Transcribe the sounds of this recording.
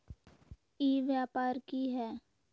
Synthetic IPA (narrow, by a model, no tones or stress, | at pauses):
iːʋjaːpaːɾkiɦɛː